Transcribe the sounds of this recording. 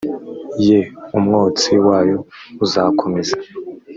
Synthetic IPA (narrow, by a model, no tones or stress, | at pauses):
jeumŋoːt͡siwaːjo̞uzakʰomezḁ